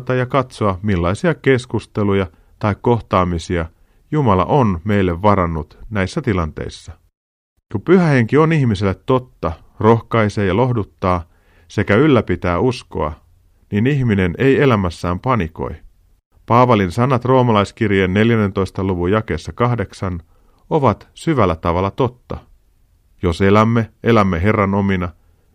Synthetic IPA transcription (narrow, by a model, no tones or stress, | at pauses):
t̪ɑjɑkɑt̪soɑmilːɑijsiɑke̞skust̪e̞lujɑ | t̪ɑikko̞xt̪ɑːmisiɑ | jumɑlɑ̰ʔo̞nme̞ilːe̞ʋːɑɾɑnːut̪næjsːæt̪ilɑnt̪ḛjsːɑ | kupyɦæhe̞ŋk̟io̞niçmisilːet̪ːo̞t̪ːɑ | ro̞xkɑjseːjɑlo̞hdut̪ːɑː | se̞kæylːæpit̪æːusko̞̰ɑ̰ | niniçmine̞nʔe̞je̞læmæsːæːmpɑniko̞̰j | pɑːʋɑlinsɑnːɑt̪ro̞ːmɑlɑjsk̟irjenːe̞ljænːe̞nt̪o̞jst̪ɑluʋujɑk̟e̞ːsːɑkɑhde̞ksɑn | o̞ʋɑt̪syʋælːæt̪ɑʋɑlːɑt̪o̞t̪ːɑ̰ | jo̞se̞læmːeʔe̞læmːeɦe̞rːɑno̞minɑ